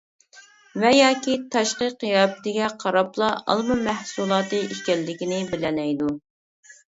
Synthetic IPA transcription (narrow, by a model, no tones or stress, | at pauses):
vɛjɑːkʲit̪ʰɑʃqəqjɑpt̪ɪɡʲɛqʰɑɾɑplˠɑɑ̰lˠmɨmæhsulˠɑːt̪ɨiʃkʲɛlːɪkʲinɪbɪlɛnɛjd̪u